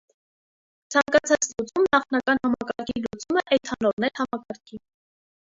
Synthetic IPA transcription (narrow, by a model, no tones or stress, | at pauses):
t͡sʰɑŋkɑt͡sʰɑt͡slut͡sumnɑχnɑkɑnhɑmɑkɑɾkʰiilut͡suməʔɛt̪ʰɑnɔɾnɛɾhɑmɑkɑɾkʰi